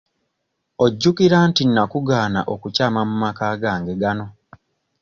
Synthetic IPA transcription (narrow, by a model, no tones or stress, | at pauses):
oɟːukiɾaːntinːakuɡaːna̰ʔokucaːmamumakaːɡaːŋɡe̞ɡano̞